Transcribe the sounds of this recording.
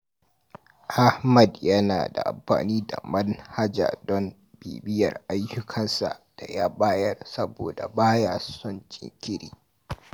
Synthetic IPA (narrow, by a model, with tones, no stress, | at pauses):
ʔa˦hmɐ˨djɐ˦na̰ː˨da̰˨ʔa̰˨mɸa̰ː˨niː˦da̰˨mɐ˦nha˦d͡ʒa̰˨dɔ˦n | bḭː˨bɪ˦jɐ̰˨rʔa˦jːʊ˦kʰɐ˦nsa̰˨ʔd̥a˨jaː˦baː˦jɐ˦rsɐ˦bo̰ː˨da˨baː˦jaː˦˨sʊ˦nt͡ʃʼɪ̰˦˨ŋkʲɪ˦ɾiː˦